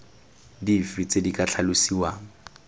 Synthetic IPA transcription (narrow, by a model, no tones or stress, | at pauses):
difit͡sʼedikʼat͡ɬʰalʊsiwaːŋ̩